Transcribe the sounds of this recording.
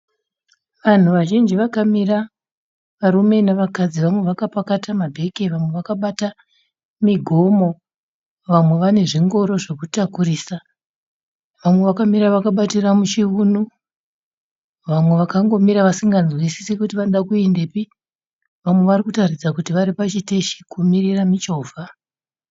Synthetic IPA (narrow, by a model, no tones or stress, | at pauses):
ʋan̤uʋaʒind͡ʒiʋakamira | ʋaɾume̞naʋakad͡ziʋamwe̞ʋakapakatʰamabʱe̞ke̞ʋamwe̞ʋakaɓata | miɡʱo̞mo̞ | ʋamwe̞ʋane̞ʐiŋɡo̞ɾo̞ʐe̞kutakuriːsa | ʋamwe̞ʋakamiɾaʋakaɓatiramut͡ʃiunu | ʋamwe̞ʋakaŋɡo̞miɾaʋasiŋɡanzwisi̥sikutiʋanoɗakuende̞pi | ʋamwe̞ʋarikutarid͡zakutiʋaɾipat͡ʃiteʃi̥kumiriramit͡ʃo̞ːvʱa